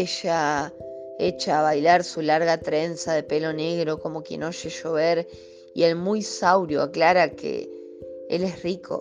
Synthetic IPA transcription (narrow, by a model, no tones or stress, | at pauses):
eʃa | et͡ʃaːβajlaɾsulaɾɣat̪ɾe̞nsaðepe̞lo̞ne̞ɣɾo̞ko̞mo̞kjḛnoʃe̞ʃo̞β̞eɾ | ie̞lmujsawɾjoaklaɾakʰḛ | ḛlesrikʰo̞̰